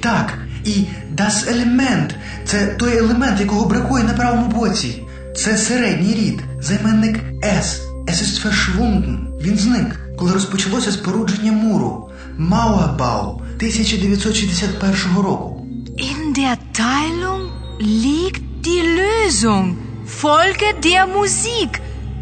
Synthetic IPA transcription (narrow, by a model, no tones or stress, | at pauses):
t̪ɑkid̪ɑselˠemɛnt̪ | t̪sɛt̪ɔjelˠemɛnt̪jɐkɔɦɔbɾɐkujɛnɐpɾɑʋɔmʊbɔt͡sʲi | t̪sɛseɾɛdʲnʲijɾʲid̪ | zɐjmɛnːɪk | ɛs | ɛsɪst̪feʃʋund̪nʋʲinznɪkːɔlˠɪɾɔspɔt͡ʃɐlˠɔsʲɐspoɾud͡ʒenʲːɐmuɾʊ̰ | mawɐbɑ̰lˠ | t̪ɪsʲɐt͡ʃɐd̪eʋjɐt̪ʲsɔt̪ʃizd̪esʲat̪̚pɛrʃɔɦɔɾɔkʊ | ʔɪndeːɐtʰaɪlʊŋ | lʲiːktd̥iːløːzʊŋ | fɔlɡədeːɐmuziːk